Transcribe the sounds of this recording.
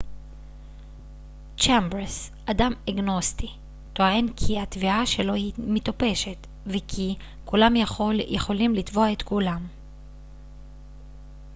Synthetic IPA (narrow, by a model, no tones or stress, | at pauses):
t͡ʃembɾesʔadameɡno̞st̪i | t̪oaenkʰiat̪viaʃe̞lo̞himit̪ope̞ʃe̞t̪ | vekʰi | kulamjaχo̞ljʔeχo̞limlit̪voaet̪kulam